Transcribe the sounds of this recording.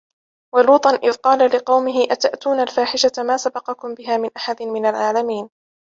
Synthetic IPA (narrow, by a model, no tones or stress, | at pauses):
waluːt̪ˤɑnʔɪðqɑːlalɪqɑwmɪɦɪʔat̪aʔt̪uːnalfaːħɪʃamaːsabɑqɑkʊmbɪɦaːmɪnʔaħad̪ɪnmɪnalʕaːlamiːn